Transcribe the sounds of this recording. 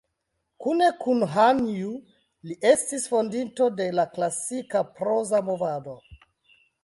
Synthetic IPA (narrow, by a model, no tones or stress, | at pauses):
kune̞kʰunɦanju | liʔe̞stisfo̞ndinto̞de̞laklasikapɾo̞zamo̞vado̞